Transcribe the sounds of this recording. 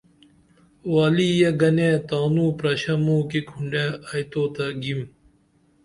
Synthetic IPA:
waːliːjeɡɐnẽːt̪aːnuːpɾɐɕɐmũːkikʰuɳɖeːajt̪oːt̪ɐɡim

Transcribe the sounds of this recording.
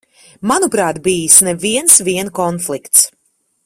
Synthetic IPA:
manupɾaːt̪biːjisnɛviɛnsviɛnkɔnflˠikt̪s

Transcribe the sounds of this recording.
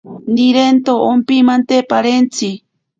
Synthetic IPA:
nd̪iɾent̪oompimant̪epaɾent͡si

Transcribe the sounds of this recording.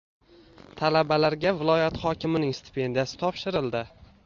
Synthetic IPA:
t̪ʰalabalaɾɡʲavɪlˠɒjat̪χɒkʲʰɪmɪnɪŋst̪ʰɪ̥pʰe̞nd̪ijasɪ̥t̪ʰɒpʃɪɾɪld̪ɪ

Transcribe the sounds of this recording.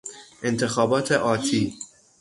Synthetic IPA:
ʔe̞nt̪ʰe̞xɒːbɒːt̪ʰeʔɒːt̪ʰiː

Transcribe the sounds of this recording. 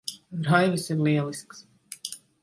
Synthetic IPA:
ɾajvɨsiɾlʲiɛlˠisks

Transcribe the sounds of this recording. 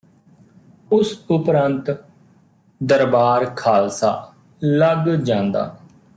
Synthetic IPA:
ʊsʊpɾãːnt̪ | d̪əɾbaːɾkʰaːlsa̰ː | ləɡd͡ʒãːnd̪a̰ː

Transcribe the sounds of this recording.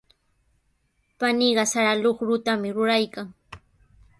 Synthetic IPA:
paniɢɑsaɾaloχɾʊt̪amɪɾʊɾajkaŋ

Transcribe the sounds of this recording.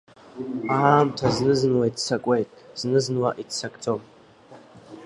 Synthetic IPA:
amtʰɐznɨzɨnwaitʼsɐkʷʼejtʼz̥nɨzɨnwaʔitsɐkʷʼt͡sʰʼom

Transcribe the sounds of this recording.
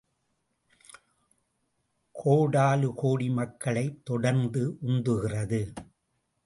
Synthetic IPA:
kʰoːɽaːlɯkoːɽimɐkːɐɭɐɪt̪ːɔɽɐɾnd̪ɯʔʊnd̪ɯɣɪrɐðɯ

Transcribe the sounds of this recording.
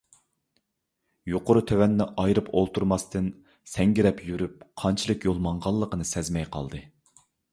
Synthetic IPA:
joqʊɾɨt̪ʰøwɛnːɪʔɑjɾɨpʰolˠt̪ʰuɾmɑst̪ɨn | sɛŋɡʲiɾɛpjyɾyp̚qʰɑnt͡ʃʰilˠɨkjolˠmɑɴʁɑlˠːəqənɨsɛzmɛjqʰɑ̰lˠd̪ɨ

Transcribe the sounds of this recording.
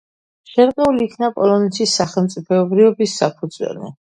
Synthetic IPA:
ʃɛɾqʼɛuliːkʰnapʼɔlɔnɛt̪ʰisːaχɛlˠmt̪sʼipʰɛːbɾiɔbisːapʰud̪zwɛ̰lḭ

